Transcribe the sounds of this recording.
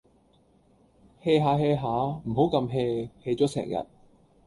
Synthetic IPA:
heː˧jɦaː˨˧˥ɦeː˧jɦaː˨˥m̩˨˩ɦo˨˥wkɐ˧mɦe˧he˧jt͡sɔː˨˥sɛ̰ː˨˩ŋjɐ̰˨t̚

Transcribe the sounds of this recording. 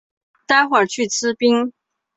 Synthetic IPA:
t̪a˥˩xwa˨˩t͡ɕʰy˥˩t͡sʰɹ̩˥pi˥ŋ

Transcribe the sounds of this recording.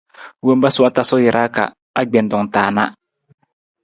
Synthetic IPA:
wo˦mba˦sʊ˦a˦ta˦sɔ˦jɪ˨ɾʔa˦ka̰˨ | a˨ɡ͡bɛ˨n˨dʊ˨ŋtaː˨na̰˦

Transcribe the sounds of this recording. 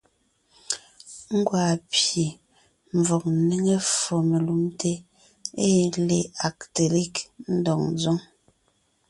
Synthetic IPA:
ŋ̩˦ɡwa˨pje˨ | m˨vɔ˨k̚ni˦ŋe˦fɔ˨me˨lu˨˦mte˦ | e˦˨le˨a˨kte˨li˦˨kn̩˦dɔ˨ŋn˦zo˦ŋ

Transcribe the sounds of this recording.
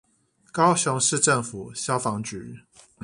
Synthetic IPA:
kɑ˦ʊɕʊ˨˧˦ŋʂɻ̩˥˧ʈ͡ʂə˥˨ŋfu˨˩ɕjɑ˦ʊfɑ˧˦ŋt͡ɕy˨˦

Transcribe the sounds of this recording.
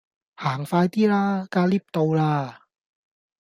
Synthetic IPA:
haː˩˦ŋfaː˧jt̪ʰiː˥˩laː˥kaː˧li˥˩p̚t̪o˧wlaː˧˥˩

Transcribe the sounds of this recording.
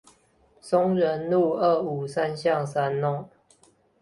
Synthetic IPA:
sɔ˦ŋɻə˨˦nlu˥˨ə˥˩u˨˩sa˦nɕjɑ˥˨ŋsa˦nːɔ˥˨ŋ

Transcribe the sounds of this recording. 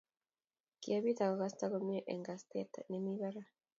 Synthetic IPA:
ki˨a˨βi˦t̪a˨ko˨ɣa˦st̪a˦ko˦mi˦ʔe˨ŋɡa˨st̪e˦t̪a̰˨ne˨miβa˦ɾa˦

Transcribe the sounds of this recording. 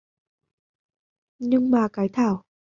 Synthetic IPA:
ɲɨ˧ŋmaː˨˩kaː˨˦jt̪ʰaː˧˩w

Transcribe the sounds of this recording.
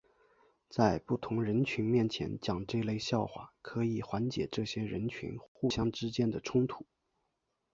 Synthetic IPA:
t͡sa˥˧ɪpu˥˩t̪ʰʊ˧˥ŋɻə˧˥nt͡ɕʰy˧˥nmjɛ˥˩nt͡ɕʰjɛ̰˧˥nt͡ɕjɑ˨˩ŋʈ͡ʂɤ˥˧le˥˧ɪɕjɑ˥˩ʊxwa̰˥˩kʰɤ˧˥i˨˩xwa˧˥nt͡ɕjɛ̰˨˩ʈ͡ʂɤ˥˩ɕjɛ˥ɻə˧˥nt͡ɕʰy̰˧˥nxu˥˩ɕjɑ˥ŋʈ͡ʂɻ̩˥t͡ɕjɛ˥nd̪ə˨ʈ͡ʂʰʊ˥ŋt̪ʰu˥˩˦

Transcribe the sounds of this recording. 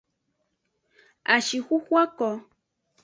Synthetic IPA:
a˨ʃi˨hu˦hwa˦ko˨

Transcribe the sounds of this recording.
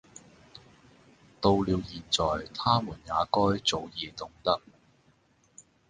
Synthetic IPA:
t̪o˧wliː˨˧wjiː˨˩nt͡sɔː˨jt̪ʰaː˥muː˨˩njaː˨˧kɔː˥jt͡so˨wjiː˨˧t̪ʊ˨ŋt̪ɐ˥k̚

